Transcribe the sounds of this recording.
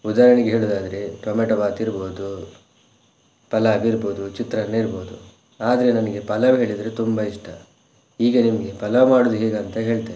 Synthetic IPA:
ud̪aːɾɐɳiɡeɦeːɭud̪aːd̪ɐɾe̞ʈoːmeʈɐbaːt̪iɾbo̞ːd̪u | pɐlaːbiːɾboːd̪ut͡ʃit̪ɾɐnːeiɾboːd̪ṵ | aːd̪ɐɾenɐnɐɡe̞pɐlɐʋɦe̞ːɭid̪ɐɾet̪umbɐiʂʈʰɐ | iːɡɐnimɐɡe̞pɐlɐʋmaːɽud̪uɦeːɡɐːnt̪ɐɦe̞ːɭt̪e

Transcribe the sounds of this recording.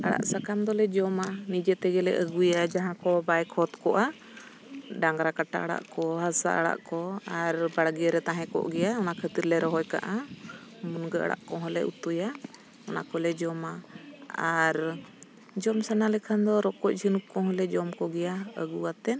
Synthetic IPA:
aɽa̰ʔsakamd̪ɔlɛd͡ʒɔmanid͡ʒɛt̪ɛɡɛlɛ̰ʔəɡujad͡ʒaɦãkɔbajkʰɔt̪kɔʔa | ɖaŋɡɾakaʈa̰ʔəɽa̰ʔkɔɦasa̰ʔəɽa̰ʔkɔaɾbaɽɡɛjaɾɛt̪ãɦɛ̃kɔ̰ʔɡɛjaɔnakʰət̪iɾlɛɾɔɦɔjka̰ʔa | munɡəa̰ɽa̰ʔkɔɦɔlɛ̰ʔṵt̪uja | ɔna̰kɔlɛd͡ʒɔmaaɾ | d͡ʒɔmsanalɛkʰand̪ɔɾɔkɔc̚ˀd͡ʒinup̚kɔɦɔlɛd͡ʒɔmkɔɡɛjaə̰ɡuwat̪ɛn

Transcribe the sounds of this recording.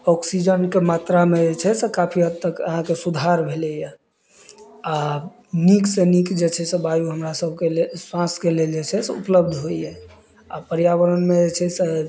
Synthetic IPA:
ɔksid͡ʒənkemat̪ɾamed͡ʒet͡ʃʰɛsɛkapʰiɦət̪t̪ːəkə̰ɦãkesud̪ʱaɾbʱelɛja | a | niksenikd͡ʒet͡ʃʰɛsebajuɦəmɾasəbʱkeleswãskeleld͡ʒet͡ʃʰɛsɛupləb̚d̪ʱɦoijɛ | a̰pəɾijawəɾənmed͡ʒet͡ʃʰɛse

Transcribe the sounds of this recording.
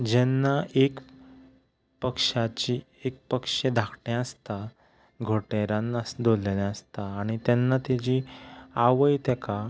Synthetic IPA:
d͡ʑɛnːaʔek | pəkʂat͡ɕi | ek̚pəkʂed̪ʱakʰʈɛ̃əst̪a | ɡʱoʈeɾãnasd̪ollelɛ̃əst̪aːɽ̃it̪ɛnːat̪ed͡ʑiaʋəjt̪ɛka

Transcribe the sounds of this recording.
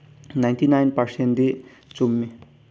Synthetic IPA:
naj̃ntinajnpɐɾsend̪i | t͡sumːi

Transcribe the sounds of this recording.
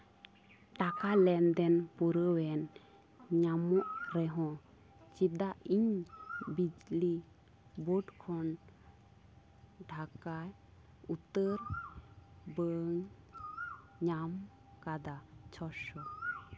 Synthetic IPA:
ʈakalɛnd̪ɛnpuɾəwɛn | ɲamɔʔɾɛɦɔ̃ | t͡ʃid̪aʔiɲbid͡ʒli | bɔɖkʰɔn | ɖʱakaj | ut̪əɾ | bəŋ | ɲam | kad̪at͡ʃʰɔʃɔ

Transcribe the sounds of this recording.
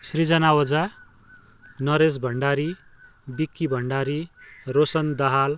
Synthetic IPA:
srid͡zʌnawʌd͡za | nʌɾes̬bʱʌɳɖaɾi | bikːibʱʌɳɖaɾi | rosʌnd̪ʌɦal

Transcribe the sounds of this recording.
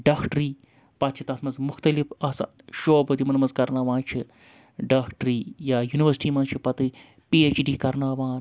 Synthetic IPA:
ɖaːkʰʈɾiː | pɐt̪̚t͡ʃʰit̪ɐːt̪ʰmɐnzmʊxt̪ɐlifaːsa̰ | ʃoːbɐd̪imɐnmɐzkɐɾnaːʋãːnt͡ʃʰi | ɖaːkʈɾiːjaːjuːniʋəɾsʈiːmɐnzt͡ʃʰipɐt̪ɨ | piːeːt͡ʃɖiːkɐɾnaːʋãːn

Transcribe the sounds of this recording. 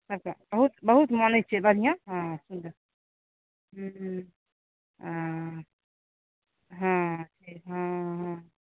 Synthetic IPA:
səb̚kabəɦut̪bəɦut̪mənət͡ʃʰɛbəd̪ʱijãɦãsund̪əɾ | ɦ | ɦã | ɦãʈʰikɦãɦã

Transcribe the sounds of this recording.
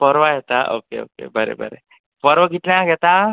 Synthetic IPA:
pəɾʋaɦɛt̪aʔo̰keo̰ːkḛbʱəɾḛbʱə̰ɾḛ | pəɾʋəɡʱit̪ljãɡʱɛt̪a

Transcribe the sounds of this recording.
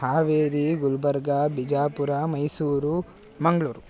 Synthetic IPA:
haːʋeːd̪iɡulbɐɾɡabid͡ʒaːpuɾamɐjsuːɾu | mɐŋɡɐɭuːɾu

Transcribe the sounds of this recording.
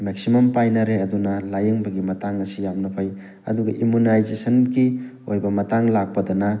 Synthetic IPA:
mek̚simɐmpajnɐɾeɐdunɐlajɐŋbɐɡimɐtaŋɐsijamnɐpʰaj | ɐ̰duɡɐʔimunajzesɐnɡi | ojbɐmɐtaŋlak̚pɐdɐnɐ

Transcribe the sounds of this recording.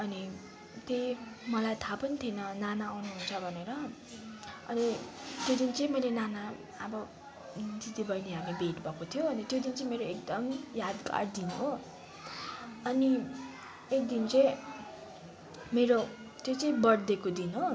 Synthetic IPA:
ʌni | t̪ejmʌlajt̪ʰapʌnit̪ʰjenʌnanaawnuɦunt͡sʰʌbʱʌneɾʌ | ʌ̰nit̪jod̪int͡sʌĩmʌjlenana | ʌbʌ | d͡zid̪ibʌjneɦamibʱeʈbʱʌkot̪ʰijoʌnit̪jod̪int͡sʌĩmeɾoek̚d̪ʌmjad̪ka̰ɽd̪inuɦo | ʌni | ek̚d̪int͡sʌj̃ | meɾo | t̪jot͡sʌĩbʌɽd̪ekod̪inɦo

